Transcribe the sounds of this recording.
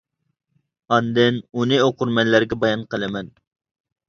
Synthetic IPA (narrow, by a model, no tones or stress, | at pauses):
ɑnd̪ɪnunɪoqʊɾmɛnlæɾɡʲɛbɑjɑnqəlˠɨmɛn